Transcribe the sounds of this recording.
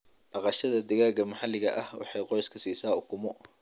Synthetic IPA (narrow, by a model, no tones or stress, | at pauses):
dɑqɑʃɐðɐd̪ɪɣaːɣɐmɐħɑlːɪɣɐʔɐhwɑ̰ħɑjqɔjskʰɐsiːsaːʊkʰʊmɔ